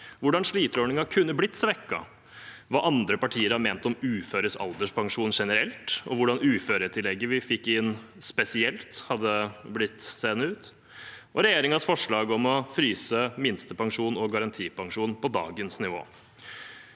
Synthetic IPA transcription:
ʋʊɖɑnʂɭiːt̪əɾɔɳɪŋɑkʰʉnːəblɪt̪ːsʋɛkːɑ̰ | ʋɑʔɑnd̪ɾəpɑʈʰiːəɾɑmeːnt̪ɔmʉːføːɾəsɑ̰ld̪əʂpʰɑŋʂuːnʂɛnəɾɛlt̪ɔ̰ʋʊɖɑnʉːføːɾət̪ʰɪlːɛɡːəʋɪfɪkːɪnː | spɛsɪɛlt̪hɑd̪ːəblɪt̪ːseːnəʉːt̪ | ʔɔɾɛjeːɾɪŋɑsfɔʂɭɑːɡɔmɔfɾyːsəmɪnst̪əpɑŋʂuːnɔɡɑɾɑnt̪ʰiːpɑŋʂuːnpɔd̪ɑ̰ːɡənsnɪʋo̰ː

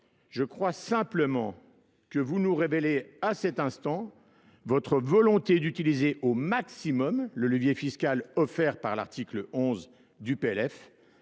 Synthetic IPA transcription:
ʒəkχwasɛ̃pləmɑ̃ | kəvunuʁeveleasɛt̪ɛ̃st̪ɑ̃ | vɔt̪χəvɔlɔ̃t̪ed̪yt̪ilizeʔomaksimɔmlələvjefiskʲalɔfɛʁpaʁla̰ʁt̪ʰikləɔ̃z | d̪ypeɛlɛf

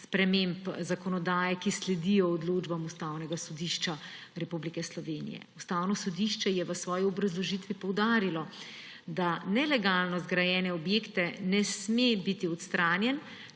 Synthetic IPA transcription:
spɾɛmempzakɔnɔd̪aːjɛkislɛd̪ijɔːd̪loːd͡ʒbamust̪aːwnɛɡasɔd̪iʃt͡ʃa | ɾɛpublikɛslɔʋeːnḭjɛ̰ust̪aːwnɔsɔd̪iʃt͡ʃɛjɛʋəsʋɔːjiɔbɾazlɔʒiːt̪ʋipɔwd̪aːɾilɔ | d̪anɛlɛɡaːlnɔzɡɾajɛːnɛɔbjeːkt̪ɛnɛsmebit̪iɔt̪st̪ɾaːnjɛn

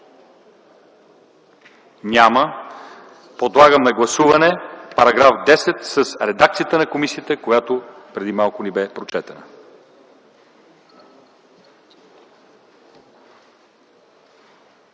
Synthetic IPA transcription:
nʲamə | pod̪lˠaɡəmnɐɡlˠɐsuvɐnɛpɐɾɐɡɾafd̪ɛsɛt̪sɐsɾɛd̪ak̚t̪sijət̪ənɐkomisiət̪əkojat̪opɾɛd̪imalˠkʊnɛbɛpɾot͡ʃɛt̪ənə

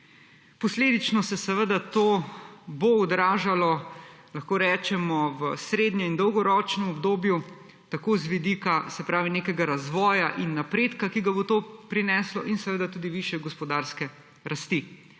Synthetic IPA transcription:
pɔsleːd̪it͡ʃnɔsɛsɛʋəd̪at̪oːboɔd̪ɾaːʒalɔlaxkoːɾɛːt͡ʃɛmɔʋəsɾeːd̪njɔind̪ɔwɡɔɾɔːt͡ʃnɛmɔbd̪oːbju | t̪akoːzʋid̪ikasɛpɾaːʋineːkɛɡaɾazʋɔːjaʔinːapɾeːt̪kakiɡabot̪oːpɾinɛːslɔ̰ʔinsɛʋəd̪at̪uːd̪iʋiːʃjɛɡɔspɔd̪aːɾskɛ | ɾast̪i

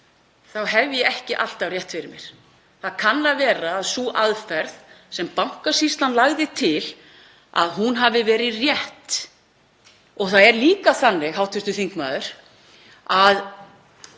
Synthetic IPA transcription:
θawɦɛvjɛɛhcɪʔal̥t̪awrjɛht̪fɪɾɪɾmjɛɾ̥ | θaðkʰanːavɛːɾaːðsuːʔaðfɛɾð | sɛmpawŋ̥kasist̪lanlaɣðɪt̪ʰɪl | a̰ðɦunɦavɪvɛːɾɪrjɛht̪ | ɔɣθaðɛɾliːkaθanːɪɣɦawt̪ʰɪst̪ʏθiŋkma̰ːðʏɾ̥ | að

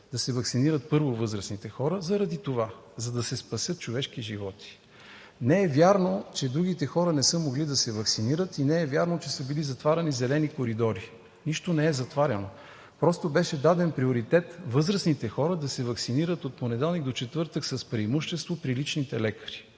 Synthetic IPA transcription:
d̪ɐsɛvɐksiniɾət̪̚pɤɾvovɤzɾəsnit̪ɛxɔɾəzɐɾɐd̪it̪ovazɐd̪ɐsɛspɐsʲjɤt̪̚t͡ʃovɛʃk̟iʒivɔt̪i̥ | nɛɛvjaɾnot͡ʃɛd̪ɾuɡit̪ɛxɔɾənɛsɤmoɡlid̪ɐsɛvɐksiniɾət̪inɛɛvʲjaɾnot͡ʃɛsɤbilizɐt̪vaɾʲɐnizɛlɛnikoɾid̪ɔɾi | niʃt̪onɛɛzɐt̪vaɾʲɐno | pɾɔst̪obɛʃɛd̪ad̪ɛnpɾioɾit̪ɛt̪vɤzɾəsnit̪ɛxɔɾəd̪ɐsɛvɐksiniɾət̪ot̪̚ponɛd̪ɛlˠniɡ̚d̪ot͡ʃɛt̪vɤɾt̪əksɐspɾiimuʃt̪ɛst̪vopɾilit͡ʃnit̪ɛlɛkə̥ɾi̥

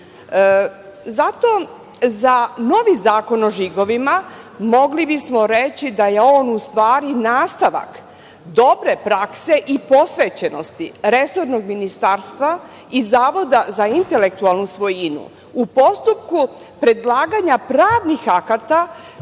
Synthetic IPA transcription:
zat̪o̞ | zano̞ʋizaːko̞noʒiɡo̞ʋima | mo̞ɡlibismo̞ɾet͡ɕid̪aje̞o̞ːnust̪ʋaːɾinaːst̪aʋa̰k | d̪o̞bɾe̞pɾakse̞ʔipo̞sʋet͡ɕeno̞st̪iɾe̞so̞ɾno̞ɡminist̪aɾst̪ʋa | izaːʋo̞d̪azaint̪e̞le̞k̚t̪ualˠnusʋo̞jinṵ | upo̞st̪up̚ku | pɾe̞d̪laːɡaɲapɾaːʋnixakat̪a

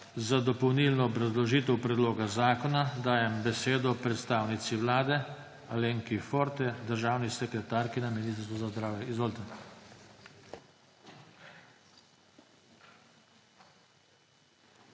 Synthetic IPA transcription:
zad̪ɔpɔwniːlnɔːbɾazlɔʒiːt̪ɛwpɾɛd̪loːɡazaːkɔnad̪aːjɛmbɛseːd̪ɔpɾɛt̪st̪aːwnit̪siʋlaːd̪ɛ | aleŋkifoɾt̪ɛd̪əɾʒaːwnisɛkɾɛt̪aːɾkinaminist̪əɾst̪ʋuzazd̪ɾaːwjɛizʋolt̪ɛn

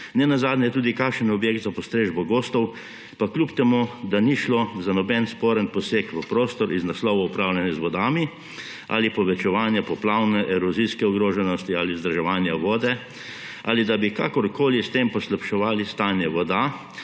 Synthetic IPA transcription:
nɛnazaːd̪nɛjɛt̪uːd̪ikakʃənɔbjeːkt̪zapɔst̪ɾeːʒbɔɡoːst̪ɔw | paklʲupt̪ɛmud̪aniʃlozanɔbɛnspoːɾənpɔsekʋəpɾoːst̪ɔɾʔiznaslɔːʋɔupɾaːwlʲjɛnjɛzʋɔd̪aːmi | ʔa̰lipɔʋɛt͡ʃɛʋaːnjɛpɔplaːwnɛʔɛɾɔziskɛɔɡɾoːʒɛnɔst̪iaːlizd̪ɾaʒɛʋaːnjaʋɔːd̪ɛ | a̰lid̪abika̰ːkɔɾkoːlist̪empɔslapʃɛʋaːlist̪aːnjɛʋɔd̪a

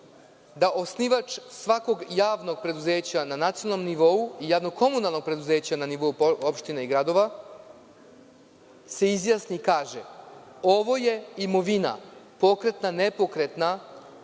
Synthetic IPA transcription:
d̪aʔo̞sniʋat͡ʃsʋako̞ɡjaːʋno̞ɡ̚pɾe̞d̪uze̞ːt͡ɕananat̪sionanomniʋo̞uijaːʋno̞ɡ̚kʰo̞munalˠno̞ɡ̚pɾe̞d̪uze̞ːt͡ɕananiʋo̞uopʃt̪ineiɡɾad̪o̞ʋa | se̞izjaːsniːkaːʒe | o̞ʋo̞je̞imo̞ʋina̰po̞kɾe̞t̪nane̞po̞kɾe̞t̪na

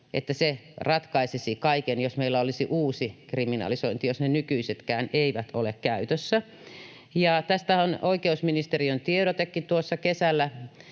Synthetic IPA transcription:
ʔḛt̪ːæserɑt̪kɑisisikɑikenjosmeilːæolisiʔuːsikriminɑ̰lisoint̪ijosnenykyiset̪kæːneiʋæt̪ʰolekkæyt̪øsːæ | jɑt̪æst̪æonoikeusminist̪eriønt̪ieɾot̪ekːit̪uosːɑkesælːæ

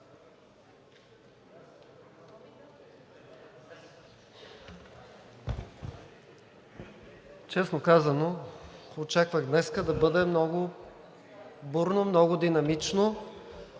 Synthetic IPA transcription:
t͡ʃɛsnokazɐnoot͡ʃakvəɣd̪nɛskəd̪ɐbɤd̪ɛmnɔɡʊ | buɾnomnɔɡʊd̪inɐmit͡ʃno

